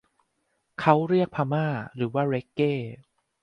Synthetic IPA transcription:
kʰa˦˥wɾi˥˩ək̚pʰaː˧maː˥˩ɾɯː˩˦waː˥˩ɾe˦˥kːeː˥˩

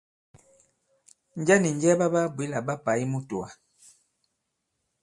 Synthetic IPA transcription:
n˦d͡ʒa˦ni˨ɲ˨d͡ʒɛ˦ba˦ba˦bwi˨˦la˨ba˦pa˨i˦mu˦tu˨a˨

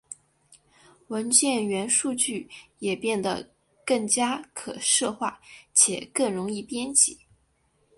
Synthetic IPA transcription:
wə˧˥nt͡ɕjɛ˥˩nɥɛ˧˥nʂu˥˧t͡ɕy˥˩jɛ˨˩pjɛ˥˩nd̪ə̰˩ | kɤ˥˩ŋt͡ɕja˥kʰɤ̰˨˩ʂɤ˥˧xwa˥˩t͡ɕʰjɛ˨˩kɤ˥˩ŋɻʊ˧˥ŋi˥˩pjɛ˥nt͡ɕḭ˨˩˦

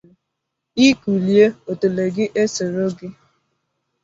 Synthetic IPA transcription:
i˦ku˨lje˦o˨to˨le˨ɡɪ˦ʔe˦se˨ɾo˦ɡɪ˦

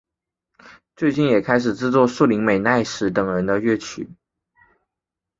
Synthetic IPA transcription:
t͡swe˥˧ɪt͡ɕi˥˩njɛ˨˩kʰa˥ɪʂ̬ɻ̩˨˩ʈ͡ʂɻ̩˥t͡swɔ˥˧ʂu˥˩li˧˥ŋme˨˩ɪna˥˩ɪʂɻ̩˧˥t̪ɤ˨˩ŋɻə˧˥nd̪ə˧ɥɛ˥˩t͡ɕʰy̰˨˩˦

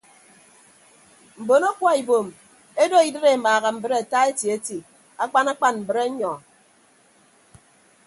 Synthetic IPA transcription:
m̩˨bo˨no˦kwa˦i˨bo˨m | e˦do˦i˨dɨ˦ɾe˦˨maː˨ɣa˨m̩˨bɨ˦ɾe˦a˨ta˦e˦tji˨e˦ti˨ | a˦k͡pa˦na˦k͡pa˦nm̩˨bɨ˨ɾe˦ɲɔ˨

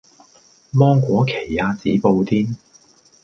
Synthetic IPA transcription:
mɔː˥ŋkʷɔː˨˥kʰe˨˩jːaː˧t͡siː˨˥po˧wt̪ʰiː˥n

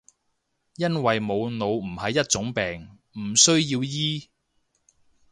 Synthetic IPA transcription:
jɐ˥nwɐ˨jmo˨˧wno˨˧wm̩˨˩hɐ˨jːɐ˥t̚t͡sʊ˨˥ŋpɛː˨˩ŋ | m̩˨˩sɵ˥ɥjiː˧wjiː˥

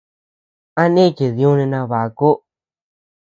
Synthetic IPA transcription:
a˦nẽ˦˨ke˨ði˧ũ˦nĩ˧nã˧βa˨˧ko˦

